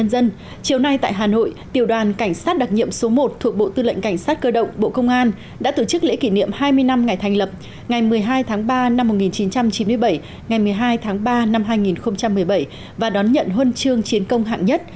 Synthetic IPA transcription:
ə˧nzə˧n | t͡ɕi˨˩əwna˧jt̪a̰ː˧˨jɦaː˨˩no̰˧˨jt̪ḭ˧˩əwɗwaː˨˩nka˧˩jŋ̟saː˦˥t̚ɗa˨˩t̚ɲḭ˧˨əmso˨˦mo˨˩t̚t̪ʰu˨˩ək̚ɓo̰˧˨t̪ɨ˧lə̰˧˨ŋ̟ka˧˩jŋ̟saː˦˥t̚kəː˧ɗə̰˧˨wŋ͡mɓo̰˧˨kə˧wŋ͡mʔaː˧n | ɗa̰ː˧˥t̪o˧˩t͡ɕɨ˦˥k̚lḛ˧˥ki˧˩nḭ˧˨əmhaː˧jmɨ˧əjna˧mŋa˨˩jt̪ʰɛ˨˩ŋ̟lə˨˩p̚ | ŋa˨˩jmɨ˨˩əjɦaː˧jt̪ʰaː˨˦ŋɓaː˧na˧mː˨˩t̚ŋi˨˩nt͡ɕi˨˦nt͡ɕa˧mt͡ɕi˨˦nmɨ˧əjɓə˧˩j | ŋa˨˩jmɨ˨˩əjɦaː˧jt̪ʰaː˨˦ŋɓaː˧na˧mɦaː˧jŋi˨˩nxə˧wŋ͡mt͡ɕa˧mːɨ˨˩əjɓə˧˩j | vaː˨˩ɗɔ˨˦nɲə̰˧˨nɦwə˧nt͡ɕɨ˧əŋt͡ɕi˨˦ənkə˧wŋ͡mɦa̰ː˧˨ŋɲə˦˥t̚

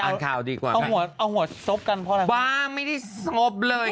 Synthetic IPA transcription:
a˧˩kʰaː˨˩˦wdiː˧kwa̰ː˨˩a˧wɦu˨˩˦ɐʔa˧whu˩˦ɐ˦so˦˥p̚ka˧npʰɔ˦˥˧a˧baː˧ma˥˩jda˥˩jsɔ˦˥p̚lɤː˧j

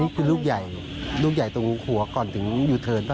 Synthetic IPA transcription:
i˦˥kʰɯː˧luː˥˩k̚ja˨˩j | luː˥˩k̚ja˨˩jt̪o˧˩ŋu˧˦kʰu˩˦ɐkɔː˨˩nt̪ʰɯ˩˦ŋjuː˨˩t̪ʰɤː˧nt̪ʰa˥˧

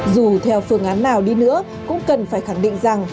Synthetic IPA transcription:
zu˨˩t̪ʰɛ˧wfɨ˧əŋʔaː˨˦nːaː˨˩wɗi˧nɨ̰˧˥ə | kʊ̰˧˥ŋ͡mkə˨˩nfaː˧˩jxa˧˩ŋɗḭ˧˨ŋ̟za˨˩ŋ

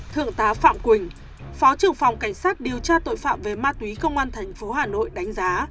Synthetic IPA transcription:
t̪ʰɨ̰˧˨əŋt̪aː˨˦fa̰ː˧˨mkwï˨˩ŋ̟ | fɔ˨˦t͡ɕɨ˨˧˩əŋfa˨˩wŋ͡mka˧˩jŋ̟saː˦˥t̚ɗi˨˩əwt͡ɕaː˧t̪o̰˧˨jfa̰ː˧˨mve˨˩maː˧t̪wi˨˦kə˧wŋ͡mʔaː˧nt̪ʰɛ˨˩ŋ̟fo˨˦ɦaː˨˩no̰˧˨jɗa˨˦jŋ̟zaː˨˦

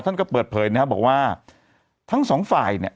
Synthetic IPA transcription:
t̪ʰa˥˩nkɔ˥˩pəɤː˨˩t̪̚pʰɤː˨˩˦jna˦kʰa˦˥p̚bɔː˨˩k̚waː˥˩ | t̪ʰa˦˥ŋsɔː˩˦ŋfaː˨˩jni˥˩ə

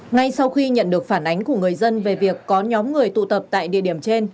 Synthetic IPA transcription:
ŋa˧jsa˧wxi˧ɲə̰˧˨nɗɨ˨˩ək̚faː˧˩nʔa˨˦jŋ̟ku˧˩əŋɨ˨˩əjzə˧nve˨˩vi˨˩əkːɔ˨˦ɲɔ˨˦mŋɨ˨˩əjt̪ṵ˧˨t̪ə˨˩p̚t̪a̰ː˧˨jɗḭ˧˨əɗi˧˩əmt͡ɕe˧n

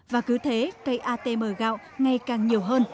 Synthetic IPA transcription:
vaː˨˩kɨ˨˦t̪ʰe˨˦kə˧jʔaː˧t̪e˧məː˧˩ɣa̰ː˧˨w | ŋa˧˩jkaː˨˩ŋɲi˨˩əwɦəː˧n

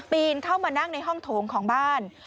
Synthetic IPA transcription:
t̪iː˧nkʰa˥˩wmaː˧na˥˩ŋna˧jɦɔ˥˩ŋt̪ʰoː˩˦ŋkʰɔː˩˦ŋbaː˥˩n

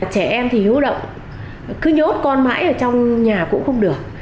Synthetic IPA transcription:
t͡ɕɛ˧˩ʔɛ˧mt̪ʰi˨˩hɨ̰˧˦wɗə̰˧˨wŋ͡m | kɨ˨˦ɲo˨˦˥t̚kɔ˧nma̰ː˧˥jʔəː˧˩t͡ɕɔ˧wŋ͡mɲaː˨˩kʊ̰˧˥ŋ͡mxə˧wŋ͡mɗɨ˨˩ək̚

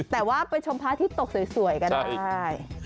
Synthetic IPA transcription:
t̪ɛː˨˩waː˥˩pa˧jt͡ɕʰo˧mpʰaː˦˥t̪ʰiː˥˩t̪o˨˩k̚su˨˩˦jsu˨˩˦jkɔ˧ndaː˥˩j

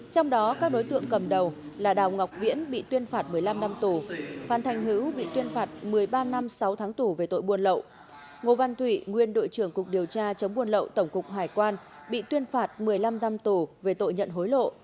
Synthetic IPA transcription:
t͡ɕɔ˧wŋ͡mɗɔ˨˦kaː˦˥k̚ɗo˨˦jt̪ɨ̰˧˨əŋkə˨˩mɗə˨˩wlaː˨˩ɗaː˨˩wŋa˨˩wk͡p̚vḭ˧˥ənɓḭ˧˨t̪wi˧ənfaː˧˩t̚mɨ˨˩əjla˧mna˧mt̪u˨˩faː˨˦nt̪ʰa˧˩jŋ̟ɦɨ˧˦˥wɓḭ˧˨t̪wi˧ənfaː˨˩t̚mɨ˨˩əjɓaː˧na˧msa˨˦wt̪ʰaː˨˦ŋt̪u˨˩ve˨˩t̪o̰˧˨jɓu˧ənlə̰˧˨wʔ | ŋo˨˩va˧nt̪ʰwi˧˩˨ŋwi˧ənɗo̰˧˨jt͡ɕɨ˧˩əŋkʊ˨˩k͡p̚ɗi˨˩əwt͡ɕaː˧t͡ɕə˨˦ŋ͡mɓu˧ənlə̰˧˨wt̪ə˧˩wŋ͡mkʊ˨˩k͡p̚ɦaː˧˩jkwaː˧n | ɓḭ˧˨t̪wi˧ənfaː˨˩t̚mɨ˨˩əjla˧mna˧mt̪u˨˩ve˨˩t̪o̰˧˨jɲə̰˧˨nɦo˨˦jlo̰˧˨

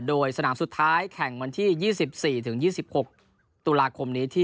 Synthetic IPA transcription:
doː˧jsa˧naː˩˦msu˨˩t̪ʰːaː˦˥jkʰɛ˨˩˦ŋwa˧nt̪ʰiː˥˩jiː˥˩si˨˩p̚siː˨˩t̪ʰɯ˩˦ŋjiː˥˩si˨˩p̚ho˨˩k̚ | t̪u˧laː˧kʰo˧mniː˦˥t̪ʰiː˥˩

